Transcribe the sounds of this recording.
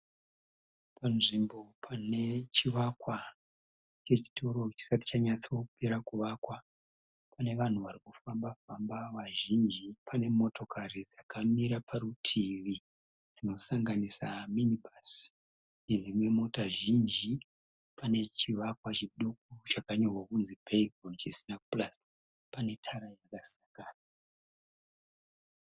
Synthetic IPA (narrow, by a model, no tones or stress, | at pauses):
panʐimbo̞pʰane̞t͡ʃiʋakwa | t͡ʃe̞t͡ʃi̥to̞ɾo̞t͡ʃi̥sati̥t͡ʃaɲat͡sokupeɾakuʋakwa | pane̞ʋan̤uʋarikufambafambaʋaʒind͡ʒipʰane̞mo̞to̞kʰaɾid͡zakamiɾapʰaɾutʰiʋi | d͡zino̞saŋɡanisaminibas | ne̞d͡zimwe̞mo̞taʒind͡ʒi | pane̞t͡ʃiʋakwat͡ʃiɗo̞k̚ut͡ʃakaɲorwakunzipʰeiɡront͡ʃisinaplas | pane̞tʰaɾajakasaŋɡaːna